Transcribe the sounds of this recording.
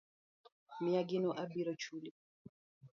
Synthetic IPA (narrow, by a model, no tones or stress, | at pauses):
mijaɡinɔʔabiɾɔt͡ʃʰuli